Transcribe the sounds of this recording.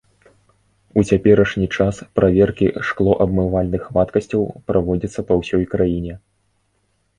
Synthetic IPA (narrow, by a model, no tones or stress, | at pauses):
ut͡sʲapʲɛɾɐʂnʲit͡ʂaspɾʔavʲɛrkʲḭʂklˠɔʔɐbmɨvalʲnɨxːmat̪kɐsʲt͡sʲɐwpɾavɔd͡zʲit̪sːɐpɐwsʲɔjkɾajinʲɛ